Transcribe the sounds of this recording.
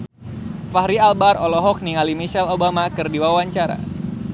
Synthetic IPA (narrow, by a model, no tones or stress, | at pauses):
fahɾialbarolɔɦɔk̚niŋalimiʃɛlobamakɨrdiwawaɲt͡ʃaɾa̰